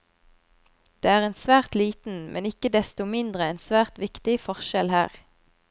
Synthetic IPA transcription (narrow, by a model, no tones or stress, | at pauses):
d̪̥eːæːʁeːnsʋæːʁt̪liːt̪n̩mʔɛ̰nɪkəd̪ɛst̪ʊmɪnd̪ʁəɛːnsʋæːʁt̪ʋɪkt̪ɪfɔʁʃɛlhæ̰ːʁ